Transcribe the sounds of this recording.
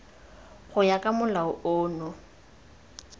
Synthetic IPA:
χʊjakʼamʊlaʊʔʊːnɔ

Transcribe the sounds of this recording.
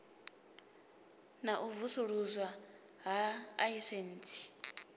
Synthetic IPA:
naʔuvusuɺuzwa | ɦaːisenːt͡sʰʼi̥

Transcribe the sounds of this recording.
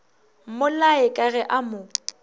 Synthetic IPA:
mʊlaɪkʼaɣɛʔamʊ

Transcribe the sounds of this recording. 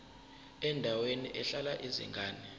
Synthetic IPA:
ɛndʱaweniʔɛɬalaʔizḭŋɡʱaːni

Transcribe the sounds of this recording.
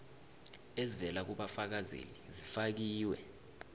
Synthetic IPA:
ezivɛlak̬uɓafak̬azḛlizifak̬iːwɛ̰

